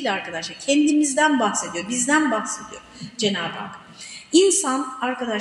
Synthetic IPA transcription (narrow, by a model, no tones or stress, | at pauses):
lʲɛaɾkʰad̪aʃlˠaɾcʰɛnd̪imizd̪ænbaxsed̪ijobizd̪ænbaxse̞d̪ijod͡ʒe̞naːba̰ːk | insanaɾkad̪a